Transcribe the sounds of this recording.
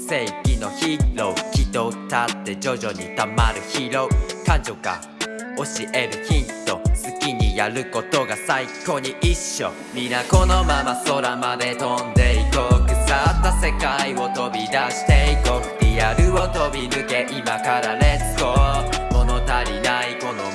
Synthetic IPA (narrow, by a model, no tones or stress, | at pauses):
se̞ikʲino̞çiɾo̞kʲit̪ot̪at̪ːe̞d͡ʑoʑo̞ɲ̟it̪amaɾɯ̟çiɾo̞̟kãd͡ʑo̞ka̰ | o̞ɕiʔe̞ɾɯ̟çĩnt̪o̞sɨkʲiɲ̟ijaɾɯ̟ko̞t̪o̞ɡasaikːo̞ɲ̟iʔiɕːo̞̰ | mʲinako̞no̞mamaso̞ɾamad̪e̞t̪õnd̪e̞ikokɯ̟sat̪ːase̞kaio̞t̪o̞bʲid̪aɕi̥t̪eikokt̪ejaɾɯ̟o̞t̪obʲimɯ̟ke̞ʔimakaɾad̪esɨ̥komonot̪aɾʲinaikono